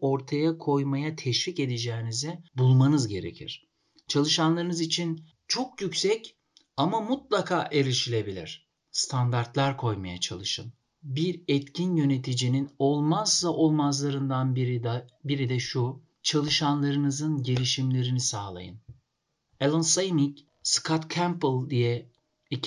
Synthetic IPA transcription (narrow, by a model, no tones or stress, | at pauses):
o̞ɾt̪ʰajakʰo̞jmajat̪ʰɛʃvice̞d̪id͡ʒɛːinizɛbulˠmanɯzɟe̞ɾḛcʰḭɾ̥ | t͡ʃʰalˠɯʃanlˠaɾɯnɯzit͡ʃʰin | t͡ʃʰo̞kjycsɛc | amamut̪̚lˠakʰaːʔe̞ɾiʃilʲe̞bilʲḭɾ̝̥ | st̪ʰand̪aɾt̪lʲˠaɾkʰo̞jmaja̰t͡ʃʰa̰lˠɯʃɯ̰n | biɾɛt̪cʰinjø̞ne̞t̪ʰid͡ʒininolˠmazlˠaʔo̞lˠmazlˠaɾɯnd̪aniɾbiɾid̪ɛʃu | t͡ʃʰalˠɯʃanlˠaɾɯnɯzɯnɟe̞lʲiʃimlʲe̞ɾinisaːlˠa̰jɯ̰n | elˠansajnic | skʰat̪kʰæmplˠd̪ijɛ | i